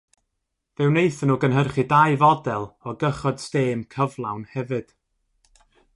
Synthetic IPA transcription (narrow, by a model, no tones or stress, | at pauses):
vɛwnejθənuːɡənɦərχidajvɔdɛlˠɔɡəχɔd̥steːmkʰəvlˠawnhɛvɨd̥